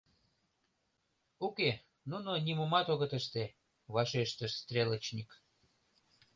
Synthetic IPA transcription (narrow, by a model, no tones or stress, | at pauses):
uke | nunonimumɑt̪oɣət̪əʃt̪e | βɑʃeʃt̪əʃst̪rʲelə̆t͡ɕnik